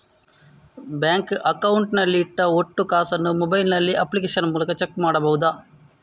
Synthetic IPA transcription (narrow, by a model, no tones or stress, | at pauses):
bjaːŋkɐkɐwuɳʈnɐlːiːʈːɐoʈːukaːsɐnːumobɐjlnɐlːiʔɐpːlik̬eːʂɐnmuːlɐkɐt͡ʃekːmaːɽɐbɐʋud̪a